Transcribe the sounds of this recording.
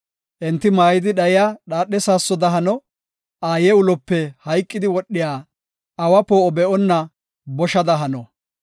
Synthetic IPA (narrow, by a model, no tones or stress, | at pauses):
ʔɛnt̪ːɪmaːjɪd̪ɪɗɐjɪjaɗaːɗːɛsaːsːɔd̪ɐɦɐnɔ | ʔaːjɛʊlɔpːɛhɐjkʼːɪd̪ɪwɔɗːɪjaː | ʔɐwɐpoːɔbɛʔɔnːɐ | bɔʃɐd̪ɐɦɐnɔ